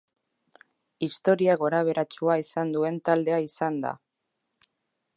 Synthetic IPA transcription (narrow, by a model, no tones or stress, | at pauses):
ist̪o̞ɾiaɣo̞ɾaβ̞e̞ɾat͡ʃuaisand̪ue̞nt̪ald̪e̞aisand̪a̰